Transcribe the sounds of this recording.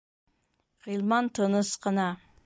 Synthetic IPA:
ʁilˠmɑnt̪ʰənəsqɑnɑ

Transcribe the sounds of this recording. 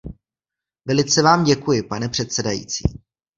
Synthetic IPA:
vɛlɪt͡sɛvaːmɟɛkujɪpanɛpr̝̥ɛt̪sɛdajḭːt͡sḭː

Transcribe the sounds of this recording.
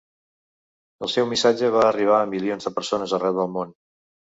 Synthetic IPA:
əlˠsɛwmisad͡ʒəβ̞aəriβ̞aəmilionzðəpəɾsonəzərɛwðəlˠmon

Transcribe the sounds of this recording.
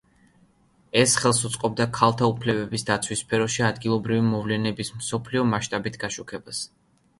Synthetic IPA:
ɛsχɛlˠsut̪sʼqʼɔb̚d̪akʰalˠt̪ʰaupʰlɛbɛbisd̪at̪sʰwispʰɛɾɔʃiad̪ɡilˠɔbɾivimɔvlɛnɛbismsɔpʰliɔmaʃt̪ʼabit̪ʰɡaʃukʰɛbas

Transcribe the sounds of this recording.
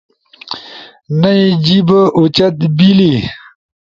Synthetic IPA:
nɐid͡ʑibəʔut͡ɕɐt̪̚bili

